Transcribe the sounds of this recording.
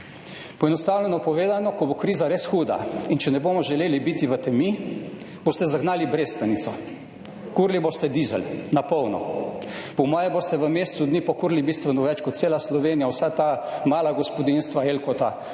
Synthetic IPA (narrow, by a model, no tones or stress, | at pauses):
pɔɛnɔst̪aːwlʲɛnɔpɔʋeːd̪anɔkɔbokɾiːzaɾesxuːd̪a̰int͡ʃɛnɛboːmɔʒɛleːlibit̪iʋət̪ɛmi | b̥oːst̪ɛzaɡnaːlibɾest̪anit̪sɔ | kuɾliboːst̪ɛd̪izɛ̰lnapɔwnɔ̰ | pɔmɔːjɛboːst̪ɛʋəmeːst̪sud̪niːpɔkuːɾlibist̪ʋɛnɔʋɛt͡ʃkɔt̪t̪seːlaslɔʋeːnijawsat̪aːmaːlaɡɔspɔd̪inst̪ʋaelkɔt̪a